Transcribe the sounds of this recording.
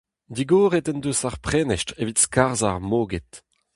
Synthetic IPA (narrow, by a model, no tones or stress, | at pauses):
d̪iɡoːʁetɛndusaʁpχɛːnɛʃtʁevitskaʁzaʁmoːɡɛt̪